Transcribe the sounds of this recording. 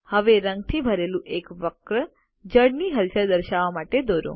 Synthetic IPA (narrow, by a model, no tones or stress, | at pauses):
həʋeɾə̃ŋɡ̚t̪ʰiːbʱəɾelũʔekʋəkɾə | d͡ʑəɽniːɦəlsəɾd̪əɾɕaʋamaʈed̪oɾõ̰